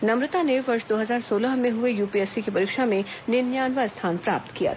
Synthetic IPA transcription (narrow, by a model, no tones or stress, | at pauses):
nɐmɾɪt̪aneʋɐɾʃd̪oːɦɐzaːɾsoːləɦmẽɦʊejuːpiɛsikipɐɾiːkʃamẽnɪnjaːnʋast̪ʰaːnpɾa̰ːp̚t̪kija̰ː